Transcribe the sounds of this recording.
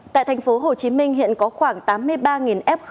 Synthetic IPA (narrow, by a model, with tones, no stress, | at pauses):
t̪a̰ː˧˨jt̪ʰa˨˩ŋ̟fo˨˦ɦo˨˩t͡ɕi˨˦mï˧ŋ̟hḭ˧˨ənkɔ˨˦xwaː˧˩ŋt̪aː˨˦mːɨ˧əjɓaː˧ŋi˨˩nʔɛ˦˥p̚x